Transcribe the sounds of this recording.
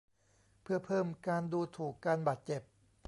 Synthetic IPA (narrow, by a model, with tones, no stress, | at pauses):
pʰɯ˥˩ɐpʰɤː˥˩mkaː˧nduː˧t̪ʰuː˨˩kːaː˧nbaː˨˩t̪̚t͡ɕe˨˩p̚